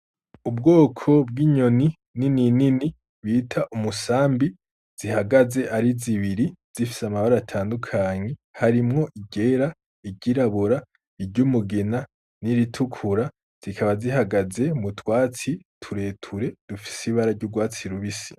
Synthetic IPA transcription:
ub̚ɡo̞ːkʰo̞b̚ɡiːɲo̞ni | nininini | βiːtʰaʔumusaːmbi | z̥iɦaɡaze̞ʔaɾiziβiɾiz̥ifi̥samaβaɾaatʰaːndukʰaːɲe̞haɾimŋo̞ʔiɟe̞ɾa | iɟiɾaβuɾa | iɾɟumuɡena | niɾitʰukʰuɾa | z̥ikʰaβaziɦaɡaze̞mutwaːt͡sitʰuɾe̞ːtʰuɾe̞d̥ufi̥siβaɾaɾɟuɡwaːt͡siɾuβisi̥

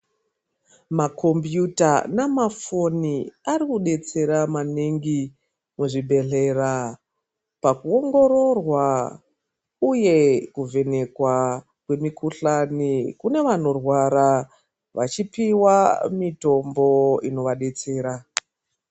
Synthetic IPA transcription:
mako̞mbjutanamafo̞niaɾikuɗe̞t͡se̞ɾamaniŋɡi | muʐiɓʱe̞ɬe̞ra | pakuo̞ŋɡo̞ɾo̞rwa | uje̞kuve̞ne̞kwa | kwe̞mikʰuɬanikune̞ʋano̞rwaɾa | ʋat͡ʃipiwamito̞mbo̞ino̞ʋaɗe̞t͡se̞ːɾa

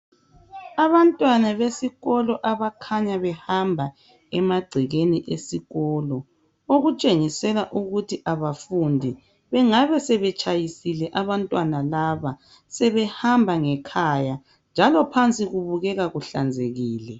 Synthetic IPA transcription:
aβantʼwanaβesiɣɔlɔʔaβakʰaɲaβɛhambʱa | ɛmaɡ͡ǀʱiɣeniʔesiɣɔːlɔ | oɣut͡ʃʼeŋisɛlaʔuɣutʰiʔaβafundʱi | βɛŋaβɛsɛβɛt͡ʃʼajisilɛʔaβantʼwanalaβa | sɛβɛhambʱaŋɛkʰaja | nd͡ʒʱalɔpʰant͡sʼiɣuβuɣɛɣaɣuɬa̰nd͡zʱeɣiːlɛ

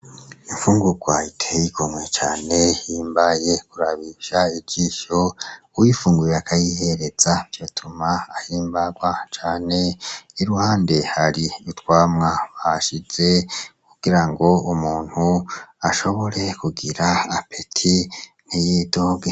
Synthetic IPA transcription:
iɱfuːŋɡuɡwaitʰejiɡomwet͡ʃaːne̞hiːmbaje̞kuɾaβiʃaibɟiːʃo̞uwifuːŋɡujeakʰajiheɾe̞z̥ajotʰumaːhiːmbaɡwat͡ʃaːne̞iɾuhaːnde̞haɾiutwaːmŋaβaʃiz̥e̞kuɡ̥iɾaŋɡo̞umuːn̥huaʃo̞βo̞ɾe̞kuɡiɾaːpʰetʰi | n̥ijedo̞ːɡe

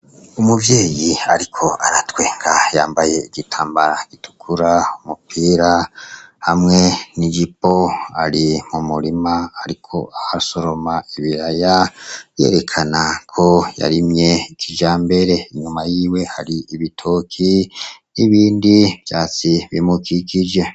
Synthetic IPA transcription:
umuvje̞ːjiaɾikʰo̞ʔaɾatwe̞ːŋɡajaːmbaje̞iɡitʰaːmbaɾaɡ̥itu̥kʰuɾaumupʰiːɾahamŋe̞niɡipo̞aɾimumuɾimaaɾikʰo̞̰ʔahaso̞ɾo̞maiβiɾajaɾje̞̰ɾe̞kʰanakʰo̞ja̰ɾimɲe̞ikʰid͡ʒaːmbe̞ɾe̞iɲumajiːwe̞haɾiiβitʰo̞ːkʰiniβiːndivjaːt͡siβimukikid͡ʒe̞

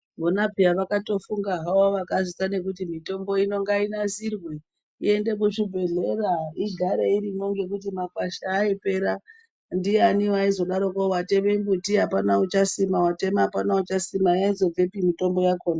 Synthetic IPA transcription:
ʋonapijaʋakato̞fuŋɡaɦawoʋakazitane̞k̬utimito̞mbo̞ino̞ŋɡainazirwe | ḭe̞nde̞k̬uʃubʱe̞ɮe̞raiɡʱaɾeiɾimo̞ŋɡe̞k̬ut̬imakaʃaːipe̞ɾa | ndianiwaizo̞ɗaɾokowateʋembutiɦapanaut͡ʃasimawatemaɦapanaut͡ʃasimaainzo̞b͡vepimito̞mbo̞jakoːna

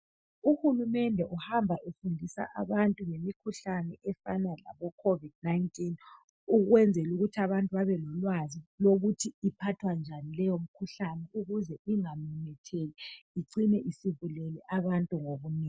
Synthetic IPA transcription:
uhulumɛndʱɛʔuhambʱaʔefundʱisa̰ʔa̰βantʼuŋemikʰuɬanɛʔɛfanala̰βɔkʰovid̥̚naintʼin | uɣwɛnd͡zʱɛluɣutʰiaβantʼuβaβɛlɔlwaziloɣutʰiːpʰatʰwand͡ʒʱanilɛjom̩kʰuɬanɛuɣuzɛiŋamɛmɛtʰɛlɛiǀinɛʔisiβulɛlɛʔaβantʼuŋoβuniːŋ

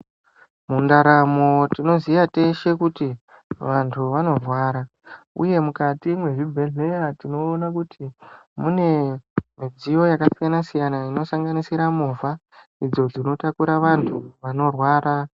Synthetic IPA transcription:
mundaɾamo̞tino̞zijate̞ʃe̞kuti | ʋantʰuʋano̞rwaːɾa | ṵje̞mukatimwe̞ʐibʱe̞ɮe̞jatino̞ːnakutʰimune̞mid͡zijo̞jakasijanasijanaino̞saŋɡanisiɾamuva | id͡zo̞d͡zino̞takuɾaʋantʰuʋano̞rwaːɾa

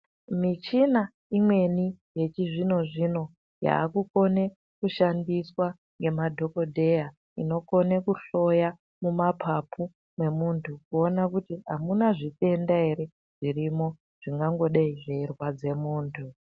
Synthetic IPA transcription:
mit͡ʃina | imwe̞nije̞t͡ʃiʐino̞ʐino̞ | ja̰ːkuko̞ne̞ | kuʃandiswa | ŋɡe̞madʱo̞ko̞dʱe̞ja | ḭno̞ko̞ne̞kuɬo̞ja | mumapʰapʰu | mwe̞muntʰukuonakutiɦa̰munaʐite̞ndae̞ɾe̞ | ʐ̥irimo̞ | ʐ̥iŋɡaŋɡo̞ɗaiʐeirwad͡ze̞muːntʰu

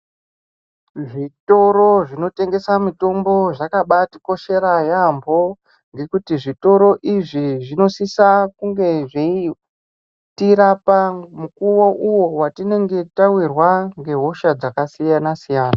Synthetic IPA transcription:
ʐito̞ɾo̞ʐino̞te̞ŋɡe̞samito̞mbo̞ʐakaɓati̥ko̞ʃe̞ɾajambo̞ | ŋɡe̞kutiʐito̞ɾo̞ʔiʐiʐino̞sisakuŋɡe̞ʐei | tiɾapamukuwoʔuwo̞watine̞ŋɡe̞tawirwaŋɡe̞ɦo̞ʃad͡zakasijanasijaːna

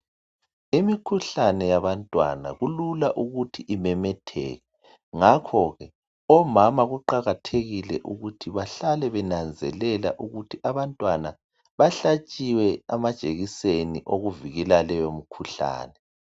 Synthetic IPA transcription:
imikʰuɬanɛjaβantʼwa̰na̰ɣululaʔuɣutʰiʔimɛmɛtʰɛ̰ːɣɛ | ŋakʰɔɣɛ | ɔmamaɣuǃaɣatʰeɣilɛʔuɣutʰiβaɬalɛβɛnand͡zʱɛlɛlaʔuɣutʰiʔaβantʼwana | βaɬat͡ʃʼiwɛamad̥ʒ̥ʱʼeɣiseniʔoɣuviɣɛlalɛjomikʰuɬa̰ːnɛ

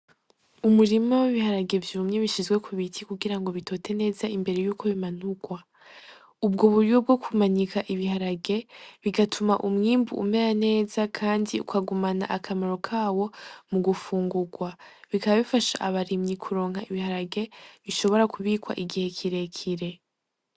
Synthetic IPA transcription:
umuɾimowiβihaɾaɡe̞vjuːmɲe̞βiʃizɡwe̞kʰuβitʰikuɡiɾaŋɡo̞βitʰo̞tʰe̞ne̞ːzaimbe̞ɾe̞juːkʰo̞βiman̥uɡ̥wa | ubɡoβuɾiwo̞b̚ɡo̞kʰumaɲikʰaʔiβihaɾaɡe̞βiɡatʰumaʔumŋiːmbṵʔṵme̞ɾane̞ːzakʰaːndiṵkʰaɡumana̰ʔakʰamaɾo̞kʰaːwo̞muɡufuːŋɡuɡwaβikaβaβifaʃa̰ʔaβaɾimɲikʰuɾo̞ːŋhaiβihaɾaɡe̞βiʃo̞βo̞ɾakuβikwa̰ʔiɡihe̞kʰiɾe̞kʰiɾe̞

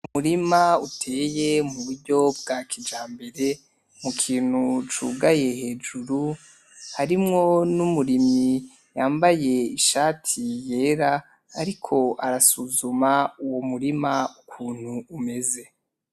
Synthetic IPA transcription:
umuɾimautʰe̞ːje̞muβuɾɟo̞b̚ɡakʰid͡ʒaːmbe̞ɾe̞ | mukʰiːn̥hut͡ʃṵɡaje̞he̞ːd͡ʒuɾu | haɾimŋo̞numuɾimi | jaːmbaje̞iʃaːtʰije̞ːɾaː | ɾikʰo̞ʔaɾasuzumauwomuɾimaukʰuːn̥huːme̞ze̞

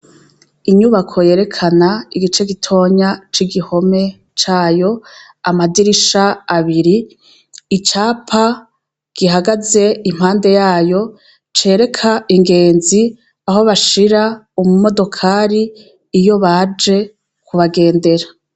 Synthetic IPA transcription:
iɲuβakʰo̞je̞ːɾe̞kʰanaiɡit͡ʃe̞ɡitʰo̞ːɲat͡ʃiɡiho̞me̞ | t͡ʃaːjo̞ | amadiɾiʃaːβiɾiː | t͡ʃaːpʰa | ɡ̥iɦaɡaze̞im̥haːnde̞jaːjo̞ | t͡ʃe̞ːɾe̞kʰaiŋɡe̞ːnzi | aɦo̞βaʃiɾa | umumo̞do̞kʰaːɾiː | jo̞βad͡ʒe̞ | kʰuβaɡe̞ːnde̞ɾa

